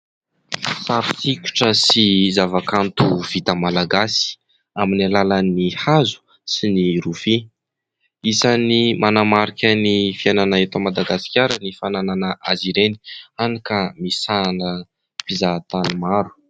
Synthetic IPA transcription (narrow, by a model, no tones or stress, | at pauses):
saɾi̥sikʲu̥ʈ͡ʂəsizavakant̪uv̥it̪əmalaɡasi̥ | aminalalənihazu̥ | siniɾufi | isanimanamaɾikʲənifiananaet̪amad̪aɡasi̥kʲaɾənifanananəʔaziɾeni̥anikamisanə | pizat̪animaɾu̥